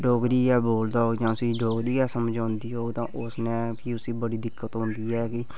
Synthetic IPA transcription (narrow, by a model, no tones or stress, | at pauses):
ɖoːɡɾiːɛːboːld̪aːɦoːɡd͡ʒãːəsĩːɖoːɡɾiːkɛːsəməd͡ʒãːnd̪iːɦoːɡt̪ãːʔʊsnɛ̃ːpʰiːʊsiːbəɽiːd̪ɪkːət̪ɦʊ̃nd̪iːɛːkɪ